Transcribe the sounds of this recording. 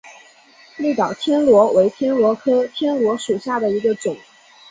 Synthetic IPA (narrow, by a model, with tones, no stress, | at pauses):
li˥˩t̪ɑ˨˩ʊt̪ʰjɛ˥nlwɔ˧˥we˧˥ɪt̪ʰjɛ˥nlwɔ˧˥kʰɤ˥t̪ʰjɛ˥nlwɔ˧˥ʂu˨˩ɕja˥˩d̪ə˩i˧˥ɡə˧ʈ͡ʂʊ˨˩˦ŋ